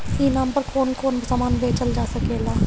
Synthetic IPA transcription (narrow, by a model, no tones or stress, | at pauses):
iːnaːmpəɾkoːnkoːnsamaːnʋeːt͡ʃəld͡ʒaːsəkeːlaː